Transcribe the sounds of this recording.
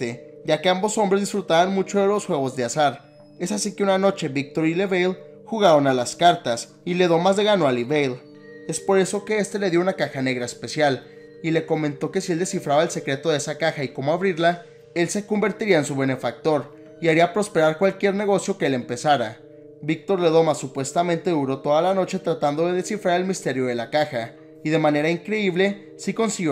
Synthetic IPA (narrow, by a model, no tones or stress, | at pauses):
eɟ͡ʝake̞ambo̞so̞mbɾe̞zðisfɾut̪aβanmut͡ʃo̞ðe̞lo̞sxwe̞ɣo̞zðeasaɾ | e̞sasike̞unano̞t͡ʃe̞βik̚t̪o̞ɾile̞βejl | xuɣaɾonalaskaɾt̪as | ile̞ðo̞mazðe̞ɣanoaliβejl | e̞spo̞ɾe̞so̞ke̞est̪e̞le̞ðjounakaxane̞ɣ̞ɾaespe̞sjal | ile̞ko̞mẽ̞nt̪o̞ke̞sield̪e̞sifɾaβaelse̞kɾe̞t̪o̞ðeesakaxaiko̞moaβɾiɾla | e̞lse̞ko̞mbe̞ɾt̪iɾiaensuβe̞ne̞fak̚t̪o̞ɾ | iaɾiapɾo̞spe̞ɾaɾkwalkje̞ɾne̞ɣ̞o̞sjo̞keele̞mpe̞saɾa | βik̚t̪o̞ɾle̞ðo̞masːupwe̞st̪amẽnt̪e̞ðuɾo̞t̪o̞ðalano̞t͡ʃe̞t̪ɾat̪and̪o̞ðe̞ðe̞sifɾaɾe̞lmist̪e̞ɾjo̞ðe̞lakaxa | iðe̞mãne̞ɾaiŋkɾe̞iβle̞ | siko̞nsiɣjo